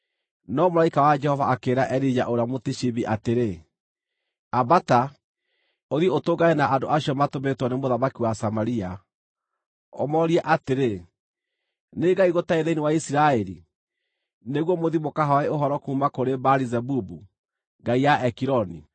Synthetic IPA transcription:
nɔmoɾaikawad͡ʒɛhɔvaakeːɾaʔɛɾid͡ʑa̰ʔoɾeamotiʃiβiʔateɾe | abata | oðiotoɡaenaʔandoʔaɕiɔmatometwɔnemoðamakiwasamaɾia | ɔ̰mɔɾiɛʔateɾe | neɡaiɣotaeðeiniwaisiɾaɛɾi | neɣwɔmoðimokaɦaeoɦɔɾɔkuːmakoɾebaɾizɛbubu | ŋɡaijaɛkiɾɔni

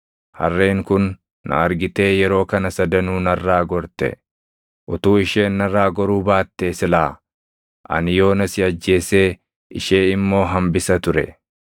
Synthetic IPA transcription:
hɐ̰rːeːŋkʊnː | ɐ̰ɐɾɡɪt̪e̞ːjɛɾo̞ːkɐnɐsɐd̪ɐnuːnɐrːaːɡɔɾt̪ɛ̰ | ʔʊt̪uːɪʃe̞ːnːɐrːaːɡɔɾuːbaːt̪ːe̞ːsɪlaː | ʔɐ̰nɪjo̞ːnɐsɪɐd͡ʒːe̞ːse̞ː | ʔɪ̰ʃe̞ːɪmːo̞ːɦɐmbɪsɐt̪ʊɾɛ̰

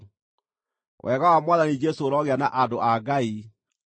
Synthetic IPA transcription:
wʔɛɣawamwaːðanid͡ʒesoːɾɔɣeanaʔadoʔaɡai

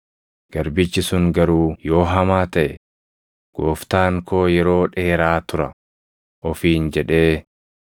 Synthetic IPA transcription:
ɡ̥ɐɾbɪt͡ʃːɪsʊŋɡɐɾuːjo̞ːɦɐmaːt̪ɐʔɛ | ɡ̥oːft̪aːŋkʰo̞ːjɛɾo̞ːᶑe̞ːɾaːt̪ʊɾɐ | ʔɔfiːnd͡ʒɛᶑe̞ː

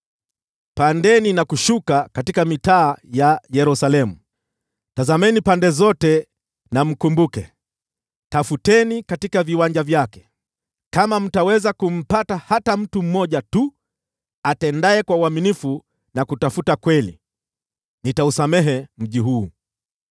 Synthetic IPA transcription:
pandɛninakuʃukakatikamitaːjajɛɾusalɛmu | tazamɛnipandɛzɔtɛ | nam̩kumbukɛ | tafutɛnikatikaviwand͡ʒavjakɛ̥ | kamam̩tawɛzakum̩patahatam̩tum̩mɔʄatu | atɛndaɛkwauaminifu | nakutafutakwɛlḭ | nitausamɛɦɛm̩ʄiɦuː

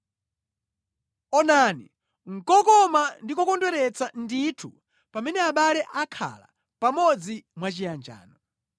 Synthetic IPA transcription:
ɔnani | ŋ̩kɔkɔmandikɔkɔndwɛɾɛt͡sanditʰu | pamɛnɛaɓalɛʔakʰa̰la̰ | pamɔd͡zimwat͡ʃijand͡ʒa̰ːnɔ

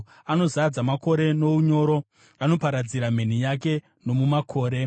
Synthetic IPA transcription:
ano̞zad͡zamako̞ɾe̞no̞uɲo̞ːɾo̞ | ano̞paɾad͡ziɾam̤e̞n̤ijak̬e̞ | no̞mumakʰo̞ːɾe̞

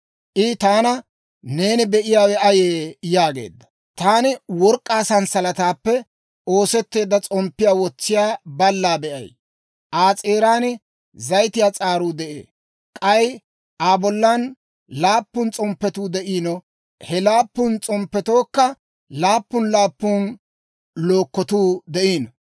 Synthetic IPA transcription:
ʔɪt̪aːnɐ | neːnɪbɛʔɪjaːwɛɐjeːjaːɡe̞̰ːd̪ːɐ̥ | t̪aːnɪwɔɾkʼːaːsɐnsɐlɐt̪aːpːɛ | o̞ːsɛt̪ːe̞ːd̪ːɐt͡sʼɔmpːɪjaːwɔt͡sːɪjaːbɐlːaːbɛʔɐ̰j | ʔaːt͡sʼeːɾaːnɪ | zɐjt̪ɪjaːt͡sʼaːɾuːd̪ɛʔḛː | kʼɐj | aːbɔlːan | laːpːʊnt͡sʼɔmpːɛt̪uːd̪ɛʔiːnɔ | hɛlaːpːʊnt͡sʼɔmpːɛt̪o̞ːkːɐ | laːpːʊnlaːpːʊn | lo̞ːkːɔt̪uːd̪ɛʔiːn

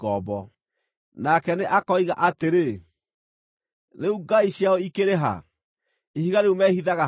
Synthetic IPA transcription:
ɔbɔ | nakɛneʔakɔiɣa̰ʔateɾe | ðeuɡaiɕjaɔikeɾeɦa̰ | ihiɣaɾeumɛhiðaɣa

